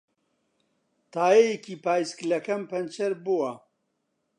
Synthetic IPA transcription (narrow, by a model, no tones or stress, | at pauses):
t̪ʰaːjejekiːpaːjsklɐkʰɐmpɐnt͡ʃɐɾbuwɐ